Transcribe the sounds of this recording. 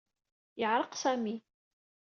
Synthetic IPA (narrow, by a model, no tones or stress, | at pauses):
jəʕɾˤəqsæmi